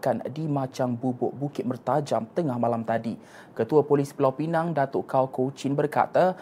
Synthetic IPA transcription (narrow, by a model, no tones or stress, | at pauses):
kandimãt͡ʃaŋbubʊʔ̚bukɪt̪̚mərt̪ad͡ʒamt̪əŋahmalamt̪adi | kət̪uapolispəlawpinaŋdat̪oʔkawkowt͡ʃɪnbərka̰t̪a